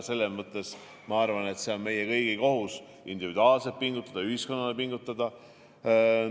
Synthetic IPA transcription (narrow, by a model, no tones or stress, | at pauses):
se̞lːemɤt̪ːˑe̞s | mɑɑrvɑnet̪se̞o̞nme̞jekɤjɡ̥iko̞ɦus | ind̪ivid̪uɑːlset̪̚piŋɡut̪ːˑɑd̪̥ɑyhisko̞nːɑle̞piŋɡ̥ut̪ːˑɑd̪̥ɑ